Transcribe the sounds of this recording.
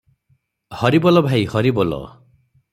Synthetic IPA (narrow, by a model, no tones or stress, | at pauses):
hɔɾibɔlɔbʱajhɔɾibɔlɔ̰